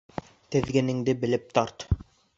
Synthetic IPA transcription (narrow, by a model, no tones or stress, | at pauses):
t̪ɘ̆ðɡɘ̆nɘ̆ŋd̪ɘbɘ̆lɘp̚t̪ɑɾt̪